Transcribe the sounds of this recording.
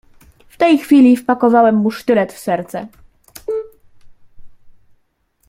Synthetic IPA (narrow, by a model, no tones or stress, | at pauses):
ft̪ɛjxfʲilʲifpakɔvawɛmːuʂt̪ɘlɛt̪fsɛɾt̪sɛ